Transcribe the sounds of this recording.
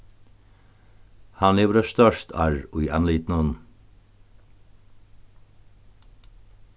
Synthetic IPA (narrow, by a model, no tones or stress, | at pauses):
hɑnliːʋəɾəʃt̪œʃt̪ʰɑ̰ɹuiɑnliːt̪n̩ɔn